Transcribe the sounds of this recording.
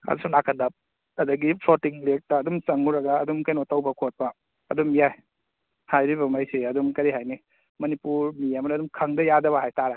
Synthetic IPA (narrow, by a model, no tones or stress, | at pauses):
a̰dusunakʰɐndɐp̚ | ɐdɐɡipʰlotiŋlek̚tɐːdumsɐŋuɾɐɡaːdumkɐjnotawbɐkʰot̚bɐː | dumjaj | hajɾibɐmajseɐdumkɐɾiɦajni | mɐnipuɾmijamɐdɐdumkʰɐŋdɐjadɐβɐɦajtaɾa